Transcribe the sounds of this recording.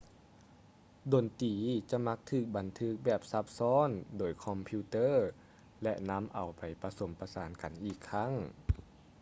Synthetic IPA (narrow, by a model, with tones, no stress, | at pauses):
do˨˩nt̪iː˨˩˦t͡ɕa˧˦ma˧˦˥k̚t̪ʰɯː˧˩k̚ba˨˩nt̪ʰɯ˧˦˥k̚bɛː˨˩p̚sa˧˥p̚sɔː˧˥˨ndoː˨˩jkʰɔ˧mpʰiː˧˦t̪ɤː˧˥˩ | lɛ˧ʔna˧˥mʔa˨˩wpa˨˩jpa˧so˨˩˦mpa˧saː˨˦nka˨nʔiː˧˨˩kʰːa˧˥˨ŋ